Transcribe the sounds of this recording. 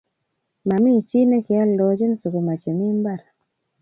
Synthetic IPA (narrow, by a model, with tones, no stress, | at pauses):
ma˨mi˦˨t͡ʃi˦nɛ˦kɪ˨a˦lɔ˨d͡ʒe˦n˨so˨ko˨ma˨t͡ʃe˨mi˦mba˦˨ɾa˨